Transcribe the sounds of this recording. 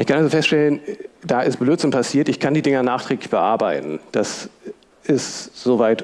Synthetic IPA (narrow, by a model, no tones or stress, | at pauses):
ʔɪçkʰanʔalzofɛstʃtɛlənd̥aːʔɪstb̥løːtz̥ɪnpʰasiːɐtɪçkʰandiːdɪŋɐnaːχtʁ̥ɛːklɪçb̥əʔaɐbaɪtn̩d̥as | ʔɪstz̥oːvaɪt